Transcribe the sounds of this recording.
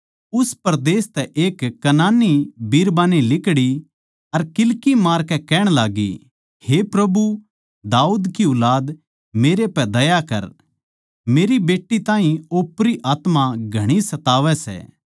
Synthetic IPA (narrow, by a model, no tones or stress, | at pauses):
ʊspɾd̪eːst̪ɛʔeːkːɐnaːnibiːɾbaːnilɪkɽi | ɐɾkɪlkimaːɾkɛkɛːɽ̃laːɡḭ | hepɾɐbu | d̪aːuːd̪kiʊlaːd̪ | meːɾepɛd̪ɐjakɐ̰ɾ | meːɾibeːʈːit̪ãːɦĩoːpɾiʔaːt̪maɡʱɐɽ̃isɐt̪aːʋɛsɛ̰ː